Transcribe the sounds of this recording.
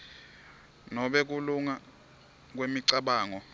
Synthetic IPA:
nɔɓɛk̬uluŋa | k̬wemiǀaɓaːŋɔ

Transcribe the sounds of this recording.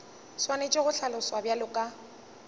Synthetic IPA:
swanet͡ʃʼeɣʊɬalʊswabjalʊkʼa

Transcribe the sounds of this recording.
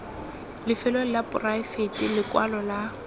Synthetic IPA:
lɪfɪlolɪlapʊraɪfetilɪkwalɔla

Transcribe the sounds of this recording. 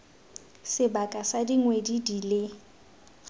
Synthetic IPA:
sɪbakʼasadiŋwedidilɪ

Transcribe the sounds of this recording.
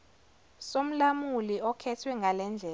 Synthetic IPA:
som̩lamuliɔkʰɛtʰwɛŋɡʱalɛnd͡ɮʱɛː

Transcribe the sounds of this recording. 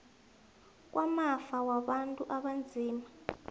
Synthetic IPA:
k̬ʼwʔamafawaɓantʼuʔaɓand͡zʱiːma

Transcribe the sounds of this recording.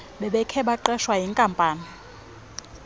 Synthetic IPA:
ɓɛɓɛkʰɛɓaǃɛʃwaɦiŋkʼampʼaːni

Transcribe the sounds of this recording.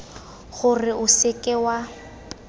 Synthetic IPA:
ɣʊrɪʊsɪkʼɛwa

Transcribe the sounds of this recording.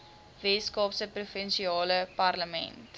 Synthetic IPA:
vɛːskɑːpsəprufənʃiɑːləpɐrləmɛ̰nt

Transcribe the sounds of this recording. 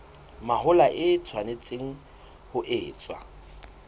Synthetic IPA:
mahʊlaʔɪt͡sʰwanɪt͡sʼeŋ̩ | hʊʔɪːt͡sʼwa̰

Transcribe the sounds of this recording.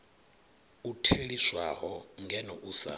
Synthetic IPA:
utʰeliswaɦɔŋɡʱɛnɔʔuːsa̰

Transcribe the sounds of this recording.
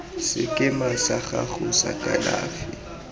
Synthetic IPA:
sɪkʼɪmasaχaχʊsakʼalaːfɪ

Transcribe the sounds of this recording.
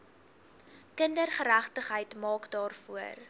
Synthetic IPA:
kəndərχəɾæχtəχɦəjtmɑːkdɑːrfuər

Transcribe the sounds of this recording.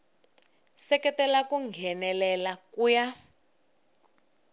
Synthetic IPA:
sɛkɛtɛlakuŋɡʱɛnɛlɛlakuːja

